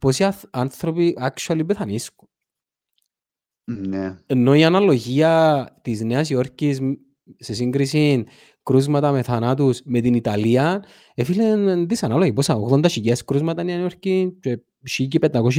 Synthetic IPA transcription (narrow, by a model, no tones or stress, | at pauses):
posiaanθɾopiʔakt͡ʃualibeθanisku̥n | neenːoianalo̞ʝiat̪isneas̬ioɾcis | ses̬iŋɡɾisin | kɾuzmat̪ameθanat̪̬usmet̪init̪aliɐn | efilennd̪isanaloɣiposaoɣðond̪aʃiceskɾuzmat̪anianioɾcint͡ʃe | ʃicipɛt̪ːakoʃ̬i